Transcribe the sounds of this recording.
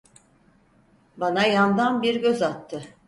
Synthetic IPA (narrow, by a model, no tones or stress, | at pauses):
banajand̪anbiɾɟø̞zat̪ʰːɯ